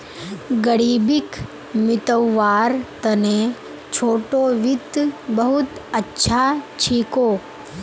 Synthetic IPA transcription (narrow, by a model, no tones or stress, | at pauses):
ɡəɾiːbɪk | mɪt̪əwːaːɾt̪ɐnẽ | t͡ʃʰoːʈoʋɪt̪bəɦʊt̪ətːʃʰat͡ʃʰiːkoː